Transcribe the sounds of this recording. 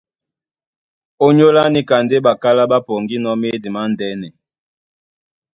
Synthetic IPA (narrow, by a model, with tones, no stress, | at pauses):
o˦ɲo˦la˦ni˦ka˨nde˦ba˨ka˦la˦ba˦po˨ŋɡi˦nɔ˦me˦di˨ma˦n˨dɛ˦nɛ˨